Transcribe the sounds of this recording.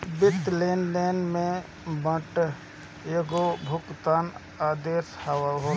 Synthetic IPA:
bɪt̪lenleːnmẽ | bə̃ʈ | jeɡobʱʊkt̪aːn | aːd̪eːshawəɦoː

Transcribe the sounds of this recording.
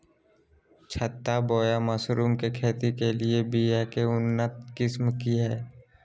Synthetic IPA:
t͡ʃʰət̪ːabɔːjaməsɾuːmkekʰeːt̪ikeliebijakeʊnːət̪̚kɪsmkiɦɛː

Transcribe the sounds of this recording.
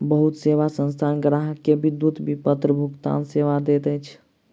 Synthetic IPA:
bəɦut̪seʋasə̃nst̪ʰanɡɾaɦəkːebid̪ːut̪bipət̪ɾəbʱukt̪a̰nseʋad̪et̪ɛt͡ʃʰ

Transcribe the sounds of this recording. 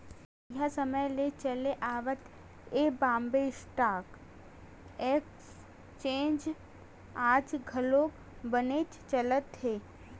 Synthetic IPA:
jasəməjlet͡ʃəleʔaːʋət̪ | eːbãːmbesʈaːk | eːks | t͡ʃẽːnd͡ʒ | aːd͡ʒɡʱəlo | bənet͡ʃt͡ʃələt̪ɦeː

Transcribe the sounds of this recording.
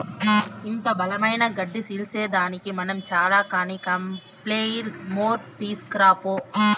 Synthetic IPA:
ɪnd̪ɐbɐlɐmɐjnɐɡɐɖːɯsilseːd̪aːnɪkːɯmɐnɐmt͡ʃaːɾaːkaːnikɐm | pleːjiɾmoːɾt̪iːskɾaːpoː

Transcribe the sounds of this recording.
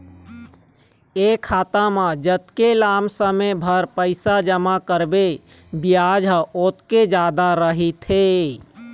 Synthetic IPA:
ekʰaːt̪amãd͡ʒət̪kelaːmsəmebʱəɾpəɪsad͡ʒəmakəɾbe | bijaːd͡ʒɦəʔot̪ked͡ʒaːd̪aɾəɦit̪ɦe

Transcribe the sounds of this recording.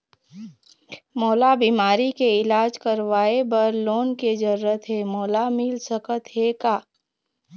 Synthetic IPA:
moːlabiːmaːɾikeɪlaːd͡ʒkəɾʋaːebɐɾloːnked͡ʒəɾːət̪ɦemoːlamɪlsəkət̪ɦekaː

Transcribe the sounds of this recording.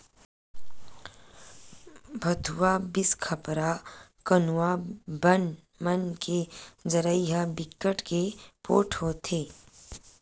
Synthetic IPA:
bʱɐd̪ʱuwabɪskʰɐpɾakənuabən | mənked͡ʒəɾəiɦabɪkːəʈkepo̰ːʈʰɦoːt̪ʰeː

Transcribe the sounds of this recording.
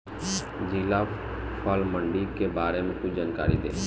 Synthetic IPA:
d͡ʒila | pʰaːlməɳɖikebaːɾemẽkʊt͡ʃd͡ʒaːnka̰ːɾḭd̪ḛː

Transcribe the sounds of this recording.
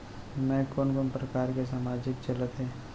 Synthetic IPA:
mɛ̃ːkoːnkoːnpɾəkaːɾkes̬aːmaːd͡ʒɪk̚t͡ʃələt̪ɦɛ̃ː

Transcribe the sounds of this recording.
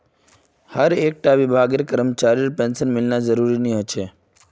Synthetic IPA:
həɾek̚ʈaʋibʱaɡekəɾəmət͡ʃaɾiɾpɛnsənmɪlnad͡ʒəɾuɾiniɦət͡ʃʰe

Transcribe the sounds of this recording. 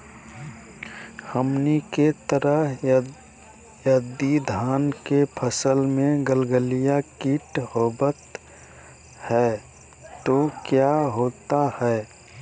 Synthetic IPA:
həmniket̪əɾəɦ | jəd̪id̪ʱaːnkepʰəsəlmẽɡəlɡəlijakiːʈhoːbət̪ | hɛː | t̪okjaɦoːt̪ahɛː

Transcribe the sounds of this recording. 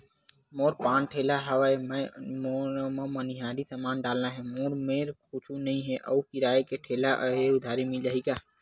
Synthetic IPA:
moːɾpãːnʈʰelaɦəwaemmoɾməməniɦaɾisəmaːnɖaːlnaɦɛ̃moːɾmeɾkut͡ʃʰunəĩɦɛʔə̰ukiɾaekeʈʰeːlaʔəeʊd̪ʱaːɾimild͡ʒaɦika

